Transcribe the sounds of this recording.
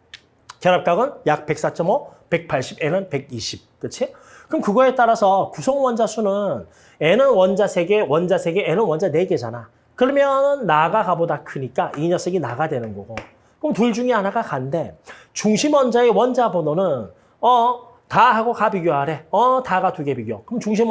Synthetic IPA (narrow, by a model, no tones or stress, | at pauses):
keɾap̚k͈aɡɯnjak̚pe̞k̚s͈at͡ɕʰʌmʌpe̞k̚pʰaɭɕ͈ibe̞nɯnpe̞ɡ̚iɕʰip̚k͈ɯt͡ɕʰi | kɯmkɯɡʌe̞t͈aɾasʰʌkusʰʌŋwʌnd͡ʑasʰunɯn | e̞nɯnwʌnd͡ʑasʰe̞ɡe̞wʌnd͡ʑasʰe̞ɡeenɯnwʌnd͡ʑane̞ɡe̞d͡ʑana | kɯɾʌmjʌnɯnːaɡaɡabodakʰɯɲik͈aiɲʌsʰeɡinaɡadwe̞nɯnɡʌɡo | kɯmɯtuɭd͡ʑuŋianaɡakannde̞t͡ɕuŋɕʰimwʌnd͡ʑaewʌnd͡ʑabononɯn | ʌ | taɦaɡokapiɡjoɦaɾe̞ʌtaɡatuɡe̞biɡjokɯmt͡ɕuŋɕ̬ʰim